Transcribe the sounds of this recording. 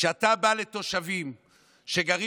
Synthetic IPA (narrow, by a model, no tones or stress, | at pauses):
ʃeat̪abale̞t̪o̞ʃavim | ʃe̞ɡaʁi